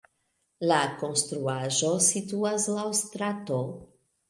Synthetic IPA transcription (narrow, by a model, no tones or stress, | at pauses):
lako̞nst̪ɾuaʒosituaslawstɾato